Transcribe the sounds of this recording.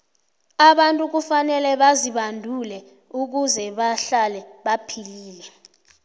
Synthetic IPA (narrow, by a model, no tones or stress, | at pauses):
aɓantʼuk̬ufanɛlɛɓaziɓandʱulɛ | uk̬uzɛɓaɬalɛɓapʰiliːlɛ